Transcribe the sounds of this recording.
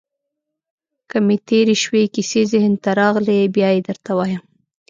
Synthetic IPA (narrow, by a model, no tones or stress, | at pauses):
kəmet̪eɾeʃwekisezehənt̪aɾɑɣlebjɑjed̪əɾt̪awɑjəm